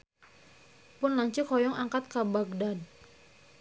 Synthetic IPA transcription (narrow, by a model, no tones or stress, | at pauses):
pʊnlaŋt͡ʃikɔjɔŋaŋkat̪̚kabaɡ̚dad̚